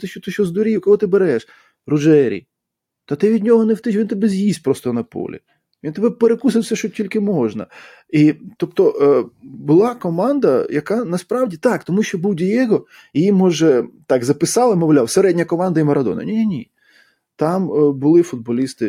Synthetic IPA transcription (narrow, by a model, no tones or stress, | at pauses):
t̪ɪʃt͡ʃɔt̪ɪʃɔzd̪ɔɾʲiwkɔlˠɔt̪ɪbeɾɛʃ | rʊʒɛɾʲḭ | t̪ɐt̪ɪʋʲid̪ʲnʲɔɦɔnewt̪ɪʃʋʲint̪ɪbɛzʲjisʲpɾɔst̪ɔnɐpɔ̰lʲḭ | ʋʲint̪ebɛpeɾekus̬ɪwsʲɛʃɔtʲilʲkɪmɔʒnɐ̰ | it̪ɔpt̪ɔ | bʊlˠɑkɔmɑnd̪ɐjɐkɑnɐspɾɑwdʲit̪ɑkt̪ɔmuʃʲt͡ʃɔbuwdʲijɛɦɔ | ijimːɔʒɛt̪ɑɡzɐpɪsɑlˠɪmɔʋlʲawseɾɛdʲnʲɐkɔmɑnd̪ɐimɐɾɐd̪ɔ̰nɐ̰nʲinʲinʲi | t̪ɑmbʊlˠɪfʊd̪̚bɔlʲist̪ɪ